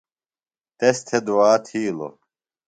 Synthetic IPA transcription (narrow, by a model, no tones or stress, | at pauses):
t̪est̪ʰed̪uwaːt̪ʰiːlo̰